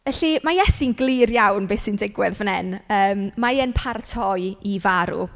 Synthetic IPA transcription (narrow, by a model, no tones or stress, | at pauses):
ɛɬimajɛsinɡlˠirjawnbeːsɪndɪɡwɪðvənɛnəːmːaənpʰartʰɔjivaɾṵ